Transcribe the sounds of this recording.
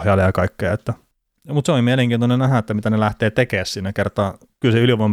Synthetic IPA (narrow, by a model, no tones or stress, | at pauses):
hjɑːlejɑkɑikːeːet̪ːæ | mut̪seoimieleŋkiːnt̪onenæhæet̪ːæmit̪ænelæht̪eːt̪ekeːssinækert̪ɑː | kylseyliʋom